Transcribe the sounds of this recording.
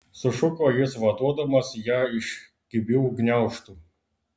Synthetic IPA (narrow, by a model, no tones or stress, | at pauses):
sʊʃʊkɔjɪsʋɐt̪uɔd̪ɐmɐsjaɪʃ | kʲɪbʲɪwɡnʲaʊʃt̪u